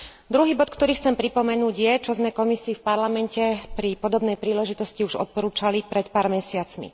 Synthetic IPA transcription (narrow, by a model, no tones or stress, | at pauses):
d̪ɾuɦiːbɔt̪kt̪ɔɾiːxt͡sɛmpɾipɔmɛnuːɟjɛt͡ʃɔzmɛkɔmisiːfpaɾlamɛncɛpɾipɔd̪ɔbnɛjpɾiːlɛʒit̪ɔsciuʒɔ̰t̪̚pɔɾuːt͡ʃalipɾɛt̪paːɾmɛsɪat͡smḭ